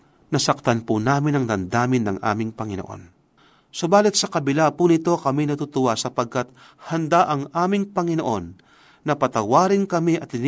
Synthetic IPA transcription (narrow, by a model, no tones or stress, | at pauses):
nɐsɐk̚t̪ɐnpunaːmɪnɐŋd̪ɐnd̪aːmɪnːɐ̰ŋʔa̰ːmɪŋpɐŋɪno̰ʔo̞̰n | sobaːlɪt̪̚sɐkɐbɪlapunɪt̪o̞kɐminɐt̪ut̪ʊwasɐpɐɡ̚kɐt̪̚ | hɐnd̪aʔɐŋʔaːmɪŋpɐŋɪnoʔo̞nː | ɐpɐt̪ɐwaːɾɪnkɐmiʔɐt̪ːɪn